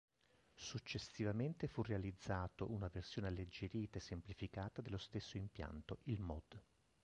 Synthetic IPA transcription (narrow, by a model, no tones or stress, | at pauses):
sut͡ʃːesivament̪efurːealid̪zːaːt̪oʔunaversjoːnealːed͡ʒːeɾiːt̪aesːemplifikaːt̪ad̪elːost̪esːoimpja̰nt̪oʔilmɔd̪